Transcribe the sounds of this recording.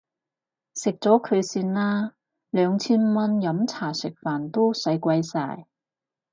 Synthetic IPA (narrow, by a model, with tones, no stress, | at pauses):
sɪ˨k̚t͡sɔː˨˥kʰɵ˨˧ɥsiː˧nlaː˥ | lœː˨˧ŋt͡sʰiː˥nmɐ˥njɐ˨˥mt͡sʰaː˨˩sɪ˨˩k̚faː˨nt̪o˥wsɐ˨˥jkʷɐ˧jsa̰ː˧˩j